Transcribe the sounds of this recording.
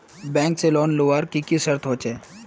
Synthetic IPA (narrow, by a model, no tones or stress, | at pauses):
bɛ̃ːŋkselɔːnloʋaːɾkikisəɾt̪ʰɦoːt͡ʃeː